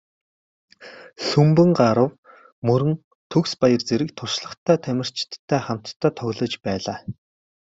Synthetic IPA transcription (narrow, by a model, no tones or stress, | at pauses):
ɬɵmpɘ̆ŋɢaɾə̆w | mɵɾɘ̆n | t̪ʰɵkspajə̆rt͡seɾɘ̆k̚t̪ʰʊʃɮə̆χt̪ʰæːt̪ʰæmʲɪ̆r̥t͡ɕt̪ʰːæːχam̥t̪ʰːœːt̪ʰɔɣʲɮə̆t͡ɕpæːɮaː